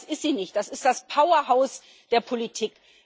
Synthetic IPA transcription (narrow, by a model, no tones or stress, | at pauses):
sɪstz̥iːnɪçt̚d̥asɪstd̥aspʰaʊɐɦaʊs | d̥eːɐpʰolitʰiːk